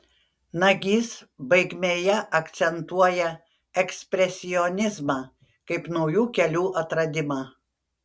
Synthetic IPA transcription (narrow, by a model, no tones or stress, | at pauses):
nɐɡʲiːsbɐɪɡʲmʲeːjɛʔɐkt̪sʲɛnt̪uɔjɛ | ɛksʲpʲɾʲɛsʲɪjɔnʲɪzmɑː | kɐɪpnɒʊjuːkʲɛlʲuːʔɐt̪ɾɐd̪ʲɪmɑː